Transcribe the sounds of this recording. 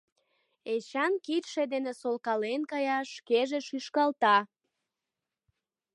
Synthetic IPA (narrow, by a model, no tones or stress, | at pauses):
et͡ɕɑnkit̪ʃed̪enesolkɑlenkɑjɑʃkeʒeʃyʃkɑlt̪ɑ